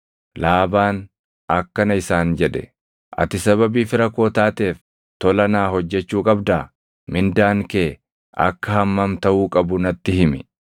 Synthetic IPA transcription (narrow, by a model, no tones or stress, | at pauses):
laːbaːn | ɐkːɐnɐɪsaːnd͡ʒɛᶑɛ̰ | ʔɐ̰t̪ɪsɐβɐbiːfɪɾɐko̞ːt̪aːt̪eːf | t̪ɔlɐnaːhɔd͡ʒːɛt͡ʃːuːkʼɐbd̪aː | mɪnd̪aːŋke̞ː | ʔɐ̰kːɐhɐmːɐmt̪ɐʔuːkʼɐbʊnɐt̪ːɪhɪmɪ